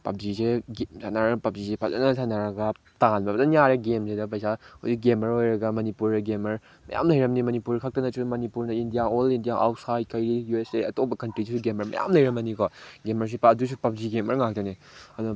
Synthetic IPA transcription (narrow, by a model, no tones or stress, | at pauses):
pɐp̚ziseɡesʰanaɾpɐp̚zisepʰazɐ̰nɐsʰanaɾɐɡɐ | taŋanbɐbɐdɐnijaɾɐɡemsedɐp̬ɐjsahowsik̚ɡemɐɾojɾɐɡɐmɐnipuɾɐɡemɐɾ | mɐ̰ja̰mlɐjɾɐmnimɐnipuɾkʰak̚tɐnɐsumɐnipuɾnɐindijaolindijaʔa̰wt̚sajd̚kajɾijueseɐtobɐkɐntɾisisuɡemɐɾmɐ̰ja̰mlɐjɾɐmɐnikɔɡemɐɾs̬ipɐdus̬upɐp̚ziɡemɐɾŋak̚tɐne | ɐdunɐ